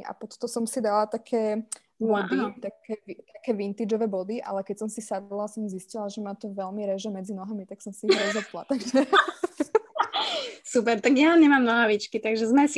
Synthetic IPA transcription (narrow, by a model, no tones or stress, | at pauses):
ʔa̰pɔt̪t̪ɔsɔmsid̪alat̪akʰɛː | bɔd̪it̪akɛːit̪akɛːʋint̪iːd͡ʒɔʋɛːbɔd̪iʔa̰lɛkɛcsɔmsisad̪lasɔmziscilaʒɛmaːt̪ɔʋɛlmiɾɛʒɛmɛd͡zinɔɦamit̪aksɔmsiiɦɾɔzɔla̰t̪aɡʒɛ | sup̬ɛɾt̪aɡjanamɲɛmamnɔɦaːʋit͡ʃkit̪aɡʒɛzmɛsi